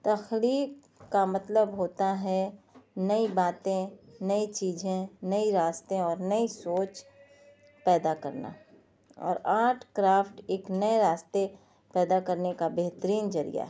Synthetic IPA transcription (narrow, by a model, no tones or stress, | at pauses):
t̪ɐxliːk | kamɐt̪ləbɦoːt̪aɦɛnɐibaːt̪ẽnɐit͡ʃiːd͡ʒẽnɐiɾaːst̪ẽɔːɾnɐisoːt͡ʃ | pɛːd̪akɐ̰ɾna̰ | ɔ̰ːɾaːʈʰkɾaːfʈeːknɐeɾaːst̪e | pɛːd̪akəɾnekabeɦt̪əɾiːnd͡ʒɐɾḭja̰ɦ